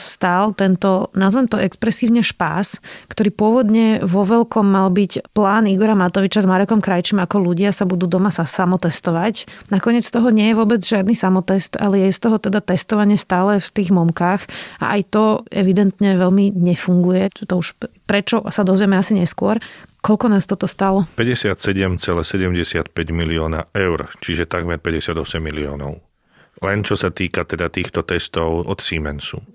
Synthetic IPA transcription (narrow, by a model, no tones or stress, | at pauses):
st̪aːlt̪ɛnt̪ɔnazʋɛmt̪ɔʔɛkspɾɛsiːʊɲɛʃpa̰ːskt̪ɔɾiːpʊɔʋɔd̪ɲɛʋɔʋɛlkɔmːalbicplaːniɡɔɾamat̪ɔʋit͡ʃazmaɾɛkɔmkɾajt͡ʃimakɔluɟɪasabud̪uːd̪ɔmasasamɔt̪ɛst̪ɔʋacnakɔɲɪɛt͡st̪ɔɦɔɲɪɛjɛʋʊɔbɛd͡zʒɪad̪nisamɔt̪ɛst̪a̰lɛjɛɛst̪ɔɦɔt̪ɛd̪at̪ɛst̪ɔʋaɲɪɛst̪aːlɛft̪iːɣmɔmkaːxa̰ʔajt̪ɔɛʋid̪ɛnt̪ɲɛʋɛʎmiɲɛfuŋɡujɛt̪ɔuʃpɾɛt͡ʃɔsad̪ɔzʋjɛmɛasiɲɛskʊɔɾkɔʎkɔnaːst̪ɔt̪ɔst̪alɔpɛɟɛsɪat̪sɛɟɛmt͡sɛlɛːsɛɟɛmɟɛsɪat̪̚pɛɟmiliɔːna̰ɛʊɾt͡ʃiʒɛt̪aɡmɛɾpɛɟɛsɪad̪ɔsɛmːiliɔ̰ːnɔ̰ʊ | lɛnt͡ʃɔsat̪iːkat̪ɛd̪at̪iːxt̪ɔt̪ɛst̪ɔʊɔt̪siːmɛnsṵ